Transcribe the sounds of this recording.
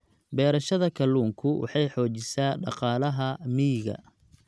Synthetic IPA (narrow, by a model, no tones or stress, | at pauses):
bɛːɾɐʃɐðɐkʰɐlːuːŋkʰʊwʔɑ̰ħɑjħɔːt͡ʃɪsaːɖɑ̰qɑːlɐɦɐmiːɣɐ̰